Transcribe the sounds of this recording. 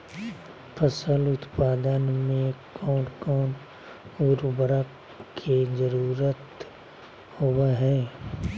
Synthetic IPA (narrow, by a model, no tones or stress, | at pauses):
pʰəsəlʊt̪paːd̪ənmẽkɔːnkɔːn | ʊɾbəɾa | kʰezəɾuːɾət̪ | howaɦɛː